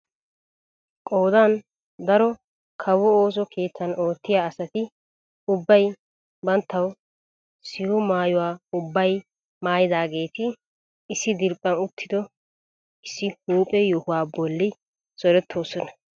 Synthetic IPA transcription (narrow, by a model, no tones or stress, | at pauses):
kʼo̞ːd̪an | d̪ɐɾɔ | kʰɐwɔoːs̬ɔkʰe̞ːt̪t͡sːɐno̞ːt̪ːɪjaːɐsɐt̪ɪ | ʊbːɐj | bɐnt̪ːɐw | sɪhʊmaːjʊwaːʊbːɐj | maːjɪd̪aːɡe̞ːt̪ɪ | ɪsːɪd̪ɪɾpʼːɐnʊt̪ʰːɪd̪ɔ | ɪsːɪhuːpʼɛjɔhʊwaːbɔlːɪ | z̥ɔɾɛt̪ʰːo̞ːsɔnɐ̥